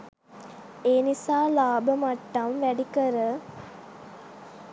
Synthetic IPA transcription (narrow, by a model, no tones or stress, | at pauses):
eːnisaːlaːbəmɐʈːɐmʋæɖikəɾə